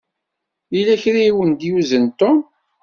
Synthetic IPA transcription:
ilæçɾiiwənd̪juzənt̪ːʊm

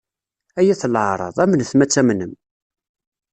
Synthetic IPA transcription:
æjæθlʕɾˤɑ̰ðˤæmənθmæt͡sːæmnəm

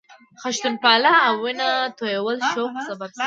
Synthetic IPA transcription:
xaʃt̪unpɑlaːwːɪnat̪ojawəlʃoqsababs

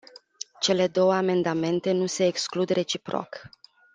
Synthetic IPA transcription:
t͡ʃe̞le̞d̪o̞wəame̞nd̪ame̞nt̪e̞nuse̞ːksklud̪rʔe̞t͡ʃipɾo̰k

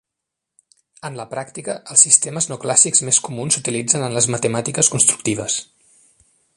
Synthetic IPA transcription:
ənləpɾakt̪ikəʔəlˠsːist̪eməznoklasikzmeskumunsut̪ilid͡zənənləzmət̪əmat̪ikəskunst̪ɾu̥kt̪iβ̞əs

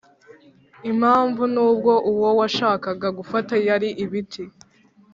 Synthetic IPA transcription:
im̥haːɱvunuːb̚ɡo̞ʔuwo̞waʃaːkaɡaɡufatajaɾiʔiβitʰi

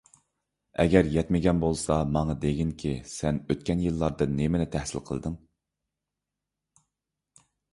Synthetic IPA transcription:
ɛɡʲɛɾjɛt̪mɪɡʲɛnbolˠsɑmɑŋɑd̪eɡʲiŋkʲʰisɛnøt̪̚kʲɛnjɨlˠːɑɾd̪ɨnnemɪnɪt̪ʰæhsɪ̰lqʰəlˠd̪ɨŋ

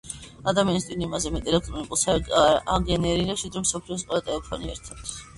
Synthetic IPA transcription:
ad̪amianist̪ʼinimazɛmɛt̪ʼiɛlɛk̚ʰt̪ʼɾɔnikʼulˠsaaɡɛnɛɾiɾɛʃid̪ɾɛmsɔpʰliɔs̬qʼwɛlat̪ʼɛlɛpʰɔniɛ̰ɾt̪ʰat̪ʰ

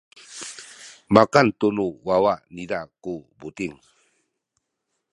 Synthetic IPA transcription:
makant̪unuwawaʔnidakubut̪iŋ

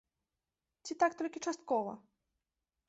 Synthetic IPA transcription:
t͡sʲit̪akt̪ɔlʲkʲit͡ʂast̪̚kɔvɐ̰

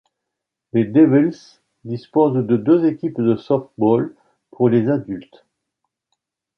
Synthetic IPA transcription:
led̪evils | d̪ispozd̪əd̪øzekʲipd̪əsɔft̪̚bɔl | pʰuʁlezad̪ylt̪

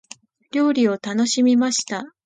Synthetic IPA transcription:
ɾʲo̞ːɾʲio̞t̪ano̞ɕimʲimaɕi̥t̪a

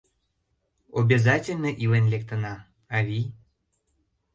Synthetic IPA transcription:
obʲezatʲelʲnəʔilenlʲek̚t̪ənɑː | vʲi

